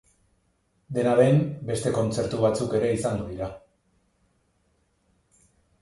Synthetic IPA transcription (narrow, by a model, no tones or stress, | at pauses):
d̪e̞naɾe̞mbe̞st̪e̞ko̞nt͡se̞ɾt̪uβ̞at͡suke̞ɾe̞isand̪uðiɾa